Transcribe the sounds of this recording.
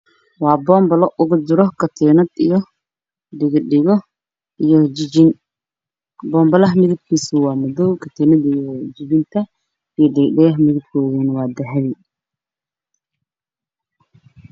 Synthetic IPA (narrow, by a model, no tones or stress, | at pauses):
wɑːbɔːmbɐlɔʔʊɣʊd͡ʒɪɾɔkʰɐt̪ʰɛnɐd̪ijɔ | dɪɣɪɖɪɣɔ | ijɔd͡ʒɪd͡ʒɪn | bɔːmbɐlɐɦmɪðɐb̚kʰiːsuwɑːmɔdɔwkʰɐt̪ʰɛnɐd̪ijɔd͡ʒɪβɪnt̪ʰɐ | ijɔdɪɣɖɪɣɐɦmɪðɪb̚kʰɔːðunwɑːd̪ɛħɛβɪ